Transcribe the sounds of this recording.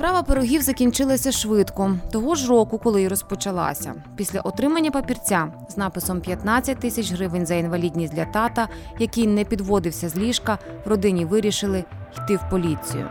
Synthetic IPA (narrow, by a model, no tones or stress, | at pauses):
spɾɑʋɐpeɾɔɦʲiwzɐkʲinʲt͡ʃɪlˠɐsʲɐʃʋɪt̪kɔt̪ɔɦɔʒɾɔkʊkɔlˠɪɾɔspɔt͡ʃɐlˠɑ̰sʲɐ̰ | pʲisʲlʲɐ̰ʔɔt̪ɾɪmɐnʲːɐpɐpʲirt͡sʲaznɑpɪsɔmpʲjɐt̪nɑt͡sʲːɐt̚ʲt̪ːɪsʲɐt͡ʃɦɾɪʋɪnʲzɐinʋɐlʲidʲnʲisʲdlʲɐt̪ɑt̪ɐjɐkɪjnɛpʲid̪ʋɔd̪ɪwsʲɐzʲlʲiʃkɐ | wrɔd̪ɪnʲiʋɪɾʲiʃɪlˠɪ | jt̪ɪwpɔlʲit͡sʲḭjʊ̰